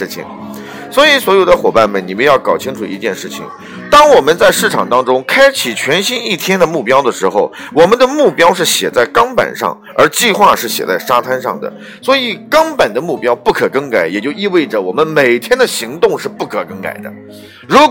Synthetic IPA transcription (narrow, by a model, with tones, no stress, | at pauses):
t͡ɕʰḭ˨˩ŋ | swɔ˧˥i˧˥swɔ˧˥jo˨˩ʊd̪ə˧˦xwɔ˨˩pa˥˩nmə˨ni˨˩mə˧˦njɑ˥˩ʊkɑ˨˩ʊt͡ɕʰi˥ŋʈ͡ʂʰṵ˨˩i˧˥t͡ɕjɛ˥˧nʂɻ̩˥˩t͡ɕʰḭ˨˩ŋ | t̪ɑ˥ŋwɔ˨˩mə˧˦nt͡sa˥˧ɪʂɻ̩˥˩ʈ͡ʂʰɑ˨˩ŋt̪ɑ˥ŋʈ͡ʂʊ˥ŋkʰa˥ɪt͡ɕʰi˨˩t͡ɕʰɥɛ˧˥nɕi˥ni˥˩t̪ʰjɛ˥nd̪ə˨mu˥˩pjɑ˥ʊd̪ə˨ʂɻ̩˧˥xo˥˧˩ʊ | wɔ˨˩mə˦nd̪ə˧mu˥˩pjɑ˥ʊʂ̬ɻ̩˥˩ɕjɛ̰˨˩t͡sa˥˩ɪkɑ˥ŋpa̰˨˩nʂɑ̰˥˩ŋ | ə˞˧˥t͡ɕi˥˧xwa˥˧ʂɻ̩˥˩ɕjɛ̰˨˩t͡sa˥˩ɪʂa˥t̪ʰa˥nʂɑ̰˥˩ŋd̪ə̰˩ | swɔ˧˥i˨˩kɑ˥ŋpa˨˩nd̪ə˦mu˥˩pjɑ˥ʊpu˥˩kʰɤ˨˩kɤ˥ŋka˨˧˥ɪjɛ˨˩t͡ɕjo˥˧ʊi˥˧we˥˩ɪʈ͡ʂə˩wɔ˨˩mə˦nme˨˩ɪt̪ʰjɛ˥nd̪ə˨ɕi˧˥ŋt̪ʊ˥˧ŋʂɻ̩˥˧pu˥˩kʰɤ˨˩kɤ˥ŋka̰˨˩ɪd̪ə̰˦ | ɻu˧˥